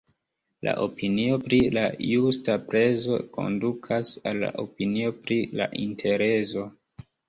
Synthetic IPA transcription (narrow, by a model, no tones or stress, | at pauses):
la̰ʔo̞pinio̞pɾilajustapɾe̞zo̞ko̞̰ndukʰasalːa̰ʔo̞pinio̞pɾila̰ʔintʰe̞ɾe̞zo̞